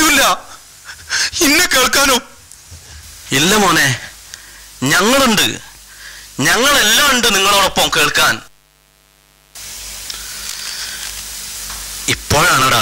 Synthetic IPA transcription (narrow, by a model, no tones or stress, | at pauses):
uilːɐ | inːeke̞ːɭkaːnoː | ilːɐmoːne | ɲɐŋːɐɭuɳɖɨ̰ | ɲɐŋːɐɭe̞lːaːmuɳɖɨniŋːɐɭo̞ːɽo̞pːɐmke̞ːɭkaːn | ipːo̞ːɻaːɳoɽa̰